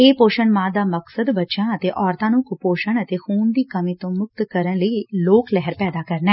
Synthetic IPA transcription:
eːpoːʃənmãːd̪aːməksəd̪bətːʃãːət̪eːʔɔːɾt̪ãːnũːkʊpoːʃəɳət̪eːxuːnd̪iːkəmiːt̪õːmʊk̚t̪kəɾənləiːloːklɛɦəɾpɛːd̪aːkəɾnɛː

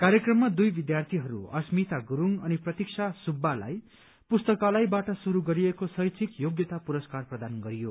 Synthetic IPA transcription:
kaɾjekrʌmːad̪ujbid̪jart̪ʰiɦʌɾṵʌ̰smit̪aɡuɾuŋʌniprʌt̪iksʰasubːala̰j | pust̪ʌkalajbaʈʌsuɾuɡʌɾiekosʌjt͡sʰikjoɡjʌt̪apuɾʌskarprʌd̪anɡʌɾijo

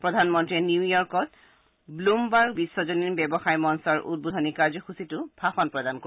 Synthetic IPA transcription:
pɹɔdʱanmɔntɹiɛnuwjɔɹkɔt̚ | blumbaɹbisːɔzoninbɛbɔxajmɔnsɔɹʔṵt̚budʱɔnikazɔxusitʊb̥ʱaxɔnpɹɔdanko

